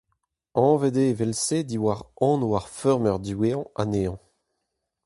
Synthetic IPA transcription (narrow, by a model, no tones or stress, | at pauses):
ɑ̃ved̪evɛlsed̪iwaʁɑ̃ːnuwaʁfœʁmœʁd̪yweːɑ̃a̰neːɑ̃